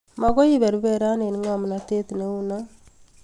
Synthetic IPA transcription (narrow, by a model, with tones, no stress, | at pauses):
ma˨ɡo˦i˦βe˨ɾu˦be˦˨ɾa˦ne˨ni˦ŋa˨m˨na˨te˦t̪ne˦u˦na˦